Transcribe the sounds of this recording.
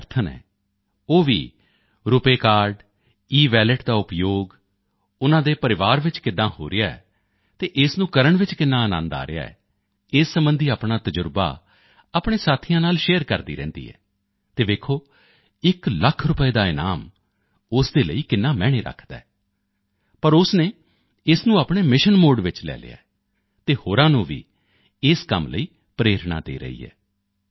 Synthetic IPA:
ɾt̪ʰənɛ̰̃ː | oːʋḭː | ɾʊpeːkaːɾɖ | iːʋɛːləʈd̪aːʊpjoːɡ | ʊnãːd̪eːpəɾɪʋaːɾʋɪt͡ʃkɪd̪ːãːho̰ːɾɪjaːɛ̰ | t̪eːʔɪsnũːkəɾəɳʋɪt͡ʃkɪnːãːənã̰ːnd̪a̰ːɾɪ̰ja̰ːɛ̰ː | ɪːsːəmbənd̪iːaːpɳaːt̪əd͡ʒəɾba̰ː | aːpɳ̃ẽːsaːt̪ʰijãːnaːlʃeːəɾkəɾd̪ḭːɾɛ̰̃ːnd̪ḭːɛ̰ː | t̪eːʋeːkʰoː | ɪkləkʰɾʊpəeːd̪aːɪnaːm | ʊsd̪eːlə̰iːkɪnːaːmɛːɽ̃eːɾə̰kʰd̪a̰ːɛː | pəɾʊsneː | ɪsnũːaːpɳeːmɪʃənmoːɖʋɪt͡ʃlɛ̰ːlɪ̰ːa̰ːɛ | t̪eːhoːɾãːnũːʋḭː | ɪskəmlə̰iː | pɾeːɾɳa̰ːd̪ḛːɾə̰ḭːɛ̰ː

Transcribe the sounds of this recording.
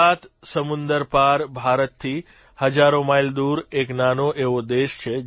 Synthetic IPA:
at̪səmʊnd̪əɾpaɾbʱaɾət̪t̪ʰːi | həd͡ʒaɾomaild̪uɾeknanoʔeʋod̪eʃt͡ʃʰe

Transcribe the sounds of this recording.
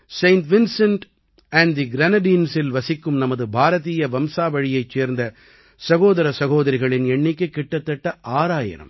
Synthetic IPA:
sɐɪnʈʋɪnsɐɳʈ | æɳd̪iɡɾɐnɐɖiːnsɪlʋɐsɪkːɯmnɐmɐðɯbʱaːɾɐðiːjɐʋɐmsaːʋɐɻɪjɐɪt͡ʃːeːɾnd̪ɐ | sɐɣoːðɐɾɐsɐɣoːðɐɾɪɣɐɭɪnɛɳːɪkːɯkːɪʈːɐt̪ːɐʈːɐʔaːɾaːjɐ̰ɾɐ̰m

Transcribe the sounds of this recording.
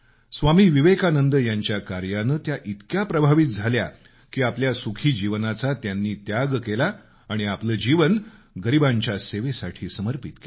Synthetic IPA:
sʋamiːʋiʋekanənd̪əjaɲt͡ɕjakaɾjanət̪jaʔit̪kjapɾəbʱaʋit̪̚d͡zʱalja | kiːapljasukʰiːd͡ʑiʋnat͡sat̪janːiːt̪jaɡkelaː | ɽ̃iapləːd͡ʑiʋən | ɡəɾibãɲt͡ɕjaseʋesaʈʰiːsəməɾpit̪ke

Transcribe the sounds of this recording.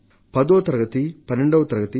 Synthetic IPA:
pɐd̪oːt̪ɐɾɐɡɐt̪ipɐnːeɳɖoːɐt̪ɐɾɐɡɐt̪i

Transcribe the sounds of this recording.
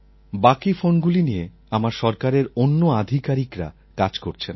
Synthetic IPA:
bakifonɡulinije | amaɾʃɔɾkaɾeɾonːoad̪ʱikaɾikɾa̰ | kad͡ʑkoɾt͡ɕʰen

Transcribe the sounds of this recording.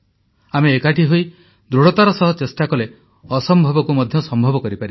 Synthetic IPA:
ameːkaʈʰiɦoj | d̪ɾuɽɔt̪aɾɔsɔɦɔt͡ʃesʈakɔle | ɔsɔmbʱɔbɔkumɔd̪ʱjɔsɔmbʱɔbɔkɔɾipaɾi

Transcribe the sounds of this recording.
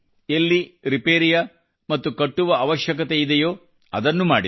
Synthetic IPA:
elːiɾipeːɾijɐ | mɐt̪ːukɐʈːuʋɐɐʋɐʃjɐk̬ɐt̪eid̪ejo̞ː | ɐd̪ɐnːumaːɽi

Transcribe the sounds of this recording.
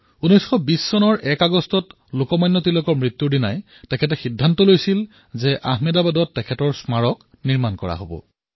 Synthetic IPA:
unɔjsxɔbisːɔnɔɹʔɛkaɡɔstɔt | lokɔmajnːɔtilɔkɔɹmɹit̪ːuɹdinaj | tɛkʰɛtɛxidʱːantɔlojsil | zɛʔaɦmɛdabadɔtːɛkʰɛtɔɹsmaɹɔk | niɹmankɔɹa̰ɦobɔ̰

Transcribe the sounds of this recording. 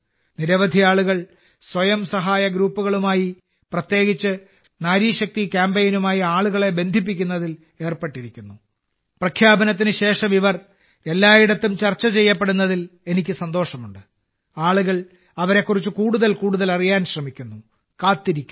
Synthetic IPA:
niɾɐʋɐd̪ʱiaːɭuɣɐɭ | swɐjɐmsɐɦaːjɐɡɾuːpːuɣɐɭumaːji | prɐt̪je̞ːɡit͡ɕːɨ | naːɾiːɕɐk̚t̪ikʲaːmbejnumaːjiaːɭuɣɐɭe̞be̞nd̪ʱip̬ːikʲːunːɐðil | e̞ːrpeʈːiɾikʲːunːu | prɐkʰjaːbɐnɐt̪̬ːinɨɕe̞ːʂɐmiʋɐr | e̞lːaːiɽɐt̪ːumt͡ɕɐrt͡ɕːɐt͡ɕe̞jːɐp̬ːe̞ɽunːɐðile̞nikʲːɨsɐnd̪o̞ːʂɐmuɳɖɨ | aːɭuɣɐɭ | ɐʋɐɾe̞kːurit͡ɕːukuːɽuðɐlkuːɽuðɐlɐrijaːnɕrɐmikʲːunːu | kaːt̪ːiɾikʲːu

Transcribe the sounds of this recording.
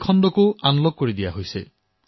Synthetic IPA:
kʰɔnɖɔkuʔanlɔɡ̚kːɔɾid̪iaɦojse

